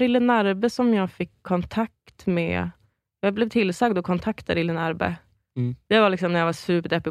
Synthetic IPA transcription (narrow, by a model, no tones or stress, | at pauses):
ɾɪlːənaɾbəsɔmjɑːɡfɪkʰːɔnt̪ʰak̚t̪mɛ̰ | jɑːɡblɛvt̪ʰɪlsɑɡd̪ɔkʰɔnt̪ʰakt̪ʰa̰ɾɪlːənæɾbə̰ | d̪̥ɛvaɭɪksɔmnæɾjavasʉːpəd̪ɛpːɪ